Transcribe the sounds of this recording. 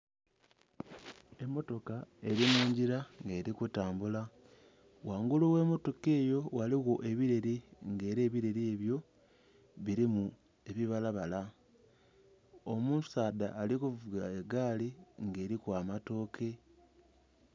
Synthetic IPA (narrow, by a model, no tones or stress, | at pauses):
e̞mːo̞to̞kae̞ɾimuːɲɟiɾaŋɡe̞ːɾikutaːmbula | waːŋɡuluwe̞ːmo̞to̞ke̞ːjo̞waliɣo̞ʔe̞βiɾe̞ɾiŋɡe̞ːɾe̞ːβiɾeɾie̞βjo̞ | βiɾimu | e̞βiβalaβala | omusaːda̰ːlikuvuɡaeɡaːliŋɡe̞ːɾikwaːmato̞ːkʰe̞